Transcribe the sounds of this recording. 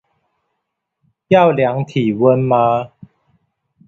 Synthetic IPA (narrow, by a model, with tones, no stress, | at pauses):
ja˥˨wlja˨˦ŋt̪ʰi˨˩wə˦nmã˧